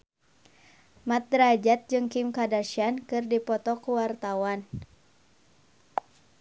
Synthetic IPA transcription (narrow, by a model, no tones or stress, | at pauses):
mat̪̚dɾad͡ʒat̪̚d͡ʒɨŋkimkadaʃiankɨrdipɔt̪ɔkuwart̪awan